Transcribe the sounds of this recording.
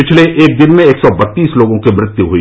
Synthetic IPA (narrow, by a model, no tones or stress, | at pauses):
ɪt͡ʃʰleʔeːk̚d̪ɪnmẽeːksɔbɐt̪ːiːsloːɡõkimɾɪt̪juɦuḭ